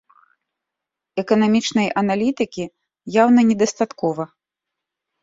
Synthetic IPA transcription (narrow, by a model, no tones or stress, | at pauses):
ɛkɐnamʲit͡ʂnɐjɐnalʲit̪ɨkʲi | jawnɐnʲɛd̪ɐst̪at̪kɔvɐ